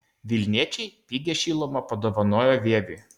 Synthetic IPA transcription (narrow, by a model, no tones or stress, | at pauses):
ʋʲɪlʲnʲiɛt͡ʃʲɛɪpʲiːɡʲɛʃʲiːlˠoːmɐpɐd̪oːʋɐnoːjoʋʲeɛʋʲy̰ː